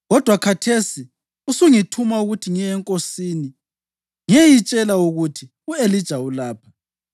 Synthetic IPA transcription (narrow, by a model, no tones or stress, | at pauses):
ɣɔd̥ʱwakʰatʰesi | usuŋitʰumauɣutʰiŋiɛŋkʼosini | ŋejit͡ʃʼɛlauɣutʰi | uelid̥ʒ̥ʱaulaːpʰḁ